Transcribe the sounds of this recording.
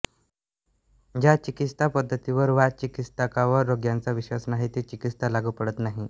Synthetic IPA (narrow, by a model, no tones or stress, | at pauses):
d͡ʑjat͡ɕikit̪st̪ʰapəd̪ʱːət̪iʋəɾʋat͡ɕikit̪st̪ʰakaʋəɾːoɡjant͡saʋiɕʋasmaɦit̪iːt͡ɕikit̪st̪ʰalaɡʱuːpəɽət̪naɦi